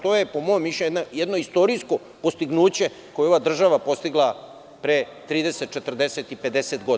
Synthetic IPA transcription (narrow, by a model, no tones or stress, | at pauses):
t̪ojepo̞mojomːiʃenajed̪no̞ist̪o̞ɾisko̞ | post̪iɡnuːt͡ɕe̞ | ko̞jeo̞ʋad̪r̩ʒaʋapo̞st̪iɡlˠa | pɾet̪ɾiːd̪eset̪̚t͡ʃet̪r̩d̪eset̪iped̪eset̪ɡod̪